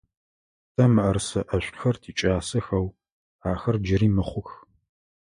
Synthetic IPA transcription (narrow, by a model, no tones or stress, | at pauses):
tʰɐmɨʔɐrsɐʔɐɕʷʼxɐrtʰiːt͡ʃʼaːsɐxɐw | aːxɐrd͡ʒɪɾiːmɨχʷʊx